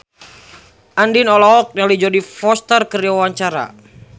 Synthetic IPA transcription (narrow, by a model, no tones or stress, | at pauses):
ʔandinɔlɔɦɔk̚jalid͡ʒɔdifɔst̪ərkəɾiawaɲt͡ʃaɾa̰